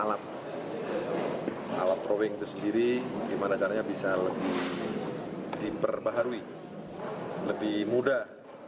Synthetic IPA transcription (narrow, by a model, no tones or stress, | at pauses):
alat̪̚ | a̰lat̪ɾowɪŋt̪usəndiɾidimanat͡ʃaɾaɲabisaləbɪh | dipərbaɦaɾui | ləbɪhmudah